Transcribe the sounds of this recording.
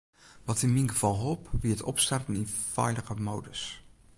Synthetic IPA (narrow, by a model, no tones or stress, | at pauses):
ʋɔtɪnminɡəv̥ɑlˠɦopʋiətɔ̰pstartəninfɛ̰jləɣəmoːdəs